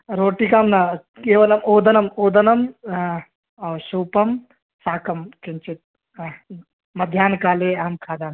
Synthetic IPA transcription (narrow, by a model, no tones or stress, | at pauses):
ɾoːʈikaːmna | keːʋɐlɐmoːd̪ɐnɐmoːd̪ɐnɐm | ɐːʃuːpɐm | saːkɐmkint͡ʃit̪̚ | mɐd̪ʱjaːnkaːleɦɐmkʰaːd̪aːn